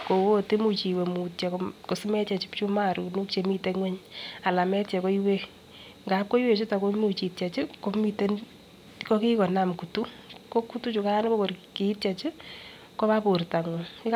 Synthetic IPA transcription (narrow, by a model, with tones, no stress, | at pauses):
ko˨wo˦te˦mu˨t͡ʃi˨we˨mu˨tt͡ʃɛ˨koko˨si˦mɛ˦t͡ʃɛ˨t͡ʃi˦pt͡ʃu˦ma˦ɾu˨nu˦kt͡ʃe˨mi˦te˨ŋwɛ˦ɲa˨la˨mɛ˦tt͡ʃɛ˨ko˦iwe˦ | ŋɡa˨˦p̚ko˦i˦we˨t͡ʃu˦ta˨ko˦mu˨t͡ʃi˨tt͡ʃɛ˨t͡ʃɪ˦ko˦mi˦te˦n | ko˦ki˦kɔ˨na˨mku˨tu˦ | ko˦ku˦tu˦t͡ʃu˨ka˦nɪ˦bo˦ko˨rki˦tt͡ʃɛ˨t͡ʃɪ˦ | ko˦ma˦po˨rta˨ŋo˨ɪ˦k